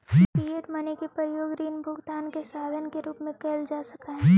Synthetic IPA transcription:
iəʈ̪mɐnekepɾɐjoːɡɾiːnbʱʊɡt̪aːnkesaːd̪ʱənkeɾuːpmẽkeːld͡ʒaːsɐkaɦɛ

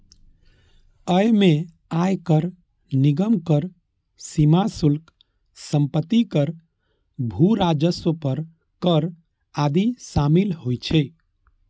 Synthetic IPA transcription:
əjme | ajkəɾ | niɡəmkəɾ | simasulk | səmpət̪ːikəɾ | bʱuɾad͡ʒəswəpəɾ | kəɾ | ad̪isamilhojt͡ʃʰɛ

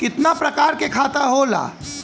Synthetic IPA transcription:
kɪt̪napɾɐkaːɾkekʰaːt̪aɦoːla̰ː

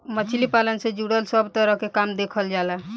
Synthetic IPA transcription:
mət͡ʃʰlipalənsed͡ʒuɽəlsəbt̪əɾəɦkekamd̪ekʰəld͡ʒala

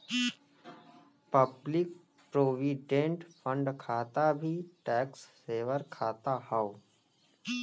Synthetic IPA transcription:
pəblɪk̚ | pɾoːʋiɖẽːɳʈpʰə̃ɳɖkʰaːt̪abʱiʈɛːksːeːʋəɾkʰaːt̪ahao

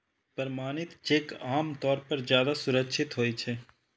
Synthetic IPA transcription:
pəɾmaːnɪt̪t͡ʃeːkaːmt̪ɔːɾpɐɾd͡ʒjaːd̪asʊɾəkʃʰɪt̪ɦoːit͡ʃʰeː

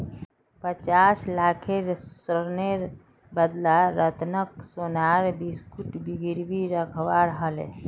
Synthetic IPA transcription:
pət͡ʃaːslaːkʰeɾəɾneɾ | bəd̪laɾət̪nək̚sonaɾbiskuʈbiɡiɾbiɾəkʰwaɾɦəlḛ

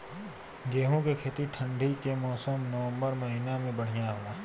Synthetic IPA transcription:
ɡeːɦõkekʰeːt̪iʈʰə̃ɳɖʱikemɔːsəmnəʋə̃mbəɾmɐɦiːnamẽbəɽ̤ijaɦoːlaː

